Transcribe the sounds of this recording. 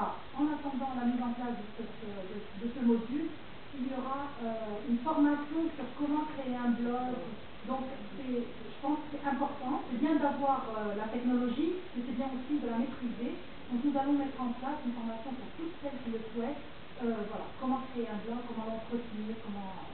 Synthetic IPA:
alɔ̰ʁ | ɑ̃nat̪ɑ̃d̪ɑ̃lamizɑ̃plasd̪əsɛt̪ød̪ə | d̪əsəmod̪yl | iljɔʁaøynfɔʁmasjɔ̃syʁkɔmɑ̃kχeeɛ̃blɔɡ | d̪ɔ̃k | sɛ | ʒəpɑ̃skə̥sɛt̪ɛ̃pɔʁt̪ɑ̃sɛbjɛ̃d̪avwaʁølat̪ɛknɔlɔʒimesɛbjɛ̃osid̪əlamet̪χize | d̪ɔ̃knuzalɔ̃mɛt̪χɑ̃plasynfɔʁmasjɔ̃puʁt̪ut̪sɛlkʲiləswɛt̪ | øvwala̰kɔmɑ̃kχeeɛ̃blɔɡkːɔmɑ̃lɑ̃t̪χət̪niʁkɔmɑ̃

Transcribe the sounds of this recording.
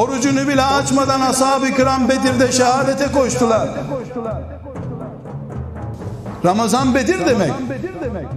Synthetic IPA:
oɾud͡ʒunubilʲɛat͡ʃmad̪anashaːbɯkɯɾambe̞d̪iɾd̪ɛʃɛhaːdet̪ʰɛko̞ʃt̪ʰulˠaɾ | ɾamazanbed̪iɾd̪emɛc

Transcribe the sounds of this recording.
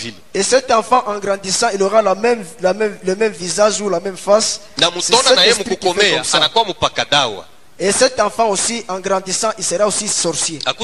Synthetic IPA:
i | esɛt̪ɑ̃fɑ̃ʔɑ̃ɡʁɑ̃d̪isɑ̃iloʁalamɛmlamɛmlemɛmvizaʒulamɛmfas | namut̪ɔnaɛnaajemuukɔmɛɔsanakwamupakadawa̰ | esɛt̪ɑ̃fɑ̃osiʔɑ̃ɡʁɑ̃d̪isɑ̃ʔilseʁaosisɔʁsjek

